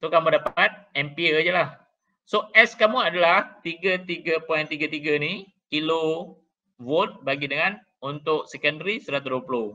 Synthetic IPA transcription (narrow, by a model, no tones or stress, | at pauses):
sokamũdapat̪̚ɛmpiəd͡ʒəlah | soʔɛskamũadalaht̪iɡət̪iɡəpɔjnt̪iɡət̪iɡəni | kilo | vot̪̚baɡidəŋãn | unt̪ʊʔ̚sɛkəndɾisəɾat̪uduəpulo